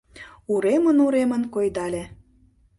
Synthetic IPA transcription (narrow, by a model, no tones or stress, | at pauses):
uɾemə̆nuɾemə̆nkojd̪ɑlʲe